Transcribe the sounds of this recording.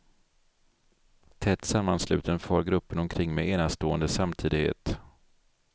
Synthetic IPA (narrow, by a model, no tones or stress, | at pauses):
t̪ʰɛt̪samːanslʉ̟ːt̪ənfœɾɡɾɵpːənɔmkʰɾɪŋːmeeːnast̪oːənd̪əsamt̪ʰiːd̪ɪɡhḛːt̪